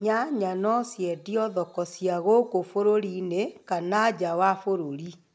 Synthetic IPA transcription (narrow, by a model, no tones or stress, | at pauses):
ɲaɲanɔsjɛdiɔðɔkɔsjaɣokofoɾoɾinekanad͡ʑawafoɾoɾi